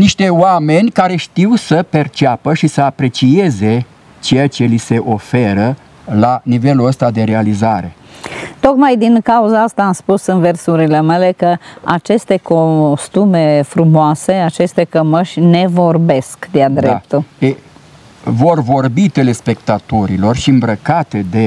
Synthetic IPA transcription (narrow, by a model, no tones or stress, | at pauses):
niʃt̪e̞oame̞nʲkaɾe̞ʃt̪iwsəpe̞rt͡ʃapəʃisəapɾe̞t͡ʃie̞ze̞ | t͡ʃejat͡ʃe̞lise̞ʔo̞fe̞ɾə | lanive̞luəst̪ad̪e̞ɾe̞alizaɾe̞̰t̪o̞kmajd̪inkauzaast̪aːmspusɨnversuɾile̞mele̞kəat͡ʃe̞st̪e̞kost̪ume̞fɾumoase̞at͡ʃe̞st̪e̞kəməʃʲne̞vo̞rbe̞skd̪ead̪ɾep̚t̪ue | vo̞rvo̞rbit̪ele̞spe̞kt̪at̪oɾilo̞rʃiɨmbɾəkat̪ed̪e̞